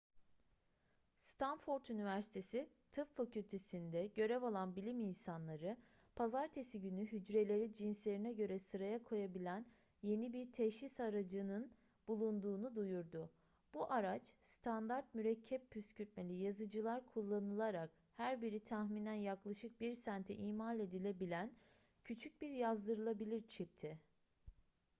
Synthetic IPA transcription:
st̪ʰanfoɾt̪ynivæɾsi̥t̪ʰe̞si | t̪ʰɯpfacʰylʲt̪ʰe̞sind̪ɛɟø̞ɾɛvalˠanbilʲiminsanlˠaɾɯ | pʰazaɾt̪ʰe̞siɟynyɦyd͡ʒɾe̞lʲe̞ɾid͡ʒinslʲe̞ɾinɛɟø̞ɾɛsɯɾajakʰo̞jabilʲæn | je̞nibiɾt̪ʰɛʃisaɾad͡ʒɯnɯn | b̥ulˠund̪uːnud̪ujuɾd̪ʊ | b̥uʔaɾat͡ʃst̪ʰand̪aɾt̪̚myɾɛcʰːɛppʰːyscʰyt̪̚me̞lʲijazɯd͡ʒɯlˠaɾkʰulˠːanɯlˠaɾak̚ | hæɾbiɾit̪ʰahminænjaklˠaʃɯk̚biɾsænt̪ʰɛʔiːmalʲe̞d̪ilʲe̞bilʲæn | cʰyt͡ʃʰyc̚biɾjazd̪ɯɾɯlˠabilʲiɾt͡ʃʰip̚t̪ʰɪ

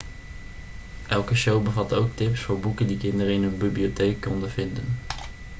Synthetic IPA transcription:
ʔɛlˠkəʃowbəvɑtowk̚tɪpsfʊːɹbukəndikɪndəɾəɪnənbibliotejkːɔndəvɪndən

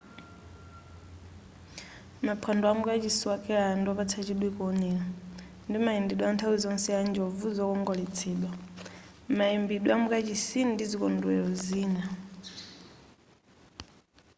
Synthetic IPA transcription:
mapʰandɔamukat͡ʃisiwakʼɛɺandɔpat͡sʰat͡ʃiɗwikuɔnɛla | ndimaindiɗwɔantʰawizɔnsɛand͡ʒɔvuzɔkɔŋɡɔlɛt͡sʰɛːɗwa | maimbiɗɔamukat͡ʃisindizikɔndwɛɾɔziːna

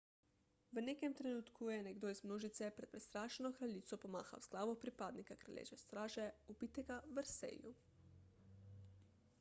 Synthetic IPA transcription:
ʋənekɛmt̪ɾɛnuːt̪kʰujɛnɛɡd̪oːizmnoːʒit̪sɛpɾɛt̪̚pɾɛst̪ɾaːʃɛnɔkɾaliːt̪sɔpɔma̰ːxa̰wz̥ɡlaːʋɔpɾipaːd̪nikakɾa̰lʲjḛʒɛst̪ɾaːʒɛubit̪ɛɡaʋəɾsḛjṵ

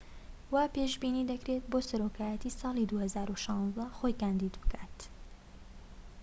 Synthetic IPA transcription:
waːpeʒbiːnid̪ɐkɾet̪̚boːsɐɾoːkaːjɛt̪isɑːlid̪uːhɐzaːɾuʃɑ̃nzd̪ɐxojkaːnd̪id̪bɨkat̪

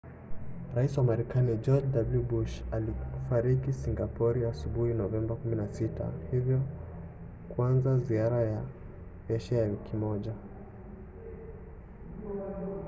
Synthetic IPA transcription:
ɾaisiwamaɾɛkanid͡ʒɔd͡ʒdabljubuʃalifaɾikisiŋɡapɔɾiasuɓuhinɔvɛmbakuminasita̰hivjɔ | kwanzaziaɾaja | vɛʃɛjawikimɔʄa

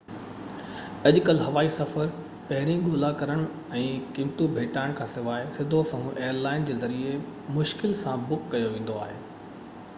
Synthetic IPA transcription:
ɐʄkəlɦɐʋaːisɐfəɾ | pɐɦɪɾ̃ĩɠoːlakɐɾəɽ̃ | ɛ̃ːkɪ̃mt̪ubʱeːʈaːɪɽ̃kʰãːsɪʋaːɪsɪd̪ʱosɐ̃ɦũʔeːəɾlaːɪnd͡ʑeːzɐɾiemʊʃkɪlsãbʊkːɐjoʋẽːn̆d̪oaːɦeː

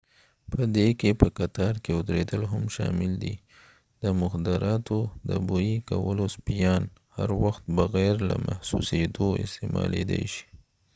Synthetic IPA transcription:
pəd̪ekepəkat̪ɑɾkeʊd̪ɾed̪əlɦamʃɑ̰mɪld̪i | d̪əmʊxd̪ɪɾʔɑt̪od̪əbojikawəlospijɑnhaɾwaxt̪̚bəɣaɾlamʔahsused̪oɪ̰st̪emɑ̰led̪ejʃi̥

